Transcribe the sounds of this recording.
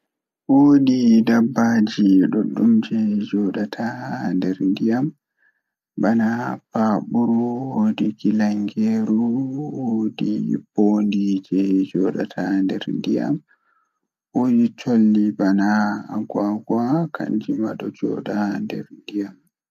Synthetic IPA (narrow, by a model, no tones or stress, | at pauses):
wodidabːad͡ʒiɗɔɗːumd͡ʒɛd͡ʒɔɗatʰandɛɾndijam | banapaɓuɾuwodiɡilaŋɡeɾuwodib̥ondid͡ʒɛd͡ʒɔːɗa̰tʰandɛ̰ɾndija̰m | woːdit͡ʃolːibanaɡwaɡwakʰa̰nd͡ʒima̰ɗɔd͡ʒɔ̰ːɗandɛɾndijam